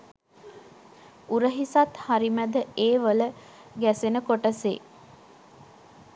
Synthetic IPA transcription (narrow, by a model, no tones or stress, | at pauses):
uɾəɦisat̪haɾimæd̪əeːʋələ | ɡæsenəkoʈəsḛː